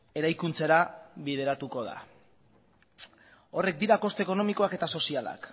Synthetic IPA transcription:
e̞ɾajkunt͡seɾaβið̞e̞ɾat̪uko̞ð̞a̰ | o̞re̞k̚d̪iɾako̞st̪eko̞no̞miko̞ake̞t̪aso̞siala̰k

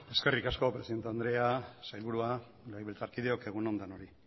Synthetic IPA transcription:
e̞ske̞rikasko̞pɾesiðe̞nt̪eand̪ɾe̞asajlβuɾua | lajβelt͡saɾkiðeo̞ke̞ɣuno̞nd̪ano̞ɾi

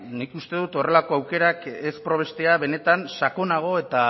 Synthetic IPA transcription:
nikust̪e̞ðut̪o̞re̞lako̞awke̞ɾake̞spɾo̞βe̞st̪e̞aβe̞ne̞t̪ansako̞naɣ̞o̞e̞t̪a

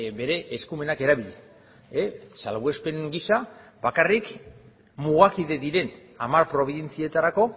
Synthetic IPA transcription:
be̞ɾe̞ʔeskume̞nake̞ɾaβiʎe | esalβue̞spe̞ŋɡisabakarik | muɣ̞akiðe̞ðiɾe̞n | amaɾpɾo̞β̞iðe̞nt͡sie̞t̪aɾako̞

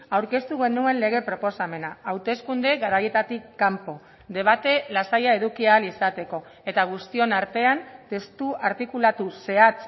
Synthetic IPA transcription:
awɾke̞st̪uɣe̞nue̞nle̞ɣ̞e̞pɾo̞po̞same̞naːwt̪e̞skund̪e̞ɣaɾaje̞t̪at̪ikːampo̞ | d̪e̞β̞at̪e̞lasajae̞ðukialisat̪e̞ko̞ | e̞t̪aɣ̞ust̪io̞naɾt̪e̞ant̪e̞st̪uaɾt̪ikulat̪use̞at͡s

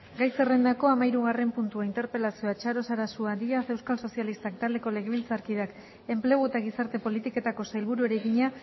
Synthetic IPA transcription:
ɡajse̞re̞nd̪ako̞amaiɾuɣ̞are̞mpunt̪uaint̪e̞ɾpe̞lasioat͡ʃaɾo̞saɾasuad̪iase̞wskalso̞sialist̪akt̪ald̪e̞ko̞le̞ɣeβilt͡saɾkið̞ak | e̞mple̞ɣ̞ue̞t̪aɣ̞isaɾt̪e̞po̞lit̪ike̞t̪ako̞sajlβuɾue̞ɾeɣiɲa

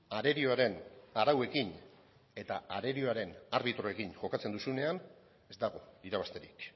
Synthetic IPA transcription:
aɾe̞ɾioaɾe̞naɾawe̞kin | e̞t̪aaɾe̞ɾio̞aɾe̞naɾβit̪ɾoe̞kinʝo̞kat͡se̞nd̪usune̞an | e̞zd̪aɣ̞o̞iɾaβast̪e̞ɾik

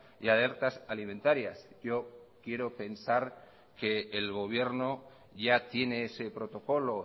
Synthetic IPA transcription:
jale̞ɾt̪asalimẽnt̪aɾjasɟ͡ʝo̞kje̞ɾo̞pe̞nsaɾ | ke̞ːlɣ̞o̞β̞je̞ɾno̞ | ʝat̪je̞ne̞ese̞pɾo̞t̪o̞ko̞lo̞

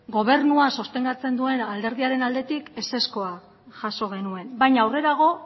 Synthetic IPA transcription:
ɡo̞β̞e̞ɾnuasost̪e̞ŋɡat͡se̞nd̪ue̞nald̪e̞ɾð̞iaɾe̞nald̪e̞t̪ike̞se̞sko̞a | ʝaso̞ɣ̞e̞nue̞mbajɲawre̞ɾaɣ̞o̞

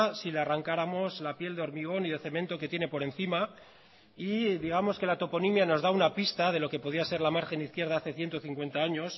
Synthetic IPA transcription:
silearaŋkaɾamo̞zlapje̞ld̪eo̞ɾmiɣ̞o̞niðe̞θe̞mẽ̞nt̪o̞ke̞t̪je̞ne̞po̞ɾe̞nθima | iðiɣ̞amo̞ske̞lat̪o̞po̞nimjano̞zðaunapist̪að̞e̞lo̞ke̞po̞ðiase̞ɾlamaɾxe̞niθkje̞ɾð̞aaθe̞θje̞nt̪oθiŋkwe̞nt̪aaɲo̞s

